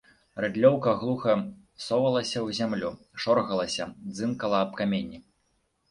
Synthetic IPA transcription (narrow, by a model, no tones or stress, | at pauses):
rɛd̪lʲɔwkɐɣlˠuxɐ | sɔvɐlˠɐsʲɐwzʲamlʲu | ʂɔɾɣɐlˠɐsʲɐd̪zɨnkɐlˠɐːpkamʲenʲːi